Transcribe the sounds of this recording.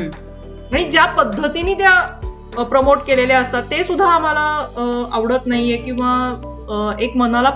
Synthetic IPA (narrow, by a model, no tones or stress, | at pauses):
ɦaɽ̃id͡ʑjapəd̪ʱːət̪iniːt̪ja | pɾəmoʈkeleleəst̪at̪ːesud̪ʱːaːm̤alaaʋɽət̪naɦijekĩw̃ʋa | ekmənala